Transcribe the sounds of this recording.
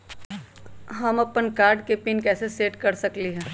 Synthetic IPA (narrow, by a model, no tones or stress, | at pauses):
ɦɐmɐpənkaːɾɖkepiːnkɛːseseːʈkɐɾsɐkliɦɛ̃ː